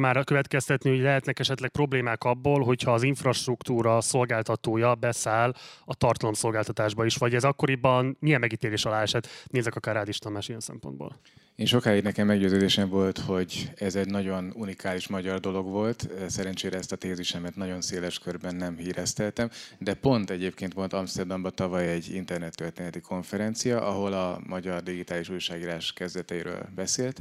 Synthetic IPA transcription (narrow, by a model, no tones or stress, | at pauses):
maːɾkøvɛt̪kɛst̪ɛt̪niho̞ɟlɛɦɛt̪nɛkɛʃɛt̪lɛk̚pro̞bleːmaːkɒbːoːlɦo̞chɒːziɱfrɒʃt̪rukt̪uːɾɒso̞lɡaːlt̪ɒt̪oːjɒbɛsaːlɒt̪ɒrt̪ɒlo̞mso̞lɡaːlt̪ɒt̪aːʒbɒiʃʋɒɟɛzɒkːo̞ɾibɒnmijɛmːɛɡit̪eːleːʃɒlaːɛʃɛt̪neːzɛkɒkaːraːd̪iʃt̪ɒmaːʃijɛnsɛ̰mpond̪bo̰ːl | eːnʃo̞khajinɛkɛmːɛɡɟøːzøːd̪eːʃɛɱvo̞lt̪ho̞ɟɛzɛɟnɒɟo̞nunikaːliʃmɒɟɒrd̪o̞lo̞ɡvo̞lt̪sɛɾɛnt͡ʃeːɾɛɛst̪ɒt̪eːziʃɛmɛt̪nɒɟo̞nseːlɛʃkørbɛnːɛmhiːɾɛst̪ɛlt̪ɛmd̪ɛpo̞nt̪ɛɟeːpkeːnt̪ʋo̞lt̪ɒmst̪ɛrd̪ɒmbɒt̪ɒvɒjɛɟːḭnt̪ɛrnɛt̪ːørt̪eːnɛt̪ikʰo̞ɱfɛɾɛnt̪sijɒʔɒɦo̞lɒmɒɟɒrd̪iɡit̪aːliʃujʃaːɡiːɾaːʃkɛzd̪ɛt̪ɛiɾø̰ːlbɛseːlt̪